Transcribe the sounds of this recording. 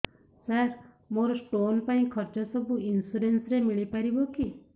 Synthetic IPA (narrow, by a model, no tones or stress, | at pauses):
saɾ | moɾɔsʈonpaĩkʰɔɾt͡ʃɔsɔbuinsuɾensɾemiɭipaɾibɔki